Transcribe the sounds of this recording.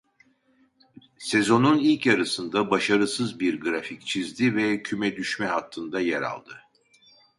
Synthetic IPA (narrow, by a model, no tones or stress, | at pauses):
se̞zo̞nunilʲcaɾasɯnd̪abaʃaɾɯsɯzbiɾɡɾafict͡ʃʰizd̪ivɛcʰymɛd̪yʃmɛɦat̪ʰːɯnd̪ajɛɾa̰lˠd̪ɯ